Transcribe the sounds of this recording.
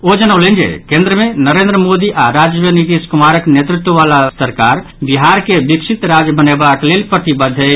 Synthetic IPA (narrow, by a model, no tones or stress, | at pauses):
od͡ʒənəwlɛnd͡ʒḛkẽnd̪ɾəmenəɾend̪ɾəmod̪iʔaɾad͡ʒʋənit̪iskumaɾəknjet̪ɾut̪wəʋalasəɾkaɾ | biɦaɾkebiksʰit̪ɾad͡ʒbənebaklelpɾət̪ibəd̪ʱːe